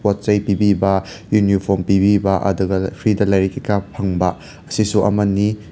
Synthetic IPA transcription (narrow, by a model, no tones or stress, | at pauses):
pot̚t͡ʃɐjpibibɐ | junipʰoɾmpibibɐʔɐ̰duɡɐpʰɾidɐlɐjɾikʰikapʰɐŋbɐ | ɐsisuʔɐ̰mɐni